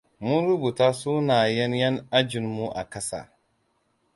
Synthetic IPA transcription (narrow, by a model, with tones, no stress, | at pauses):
mʊ˦nɾʊ˦bu˨taː˦suː˦naː˨jɛ˦njɛ˦na˦d͡ʒɪ˨nmu˦ʔa̰˨kɐ˦sa̰˦˨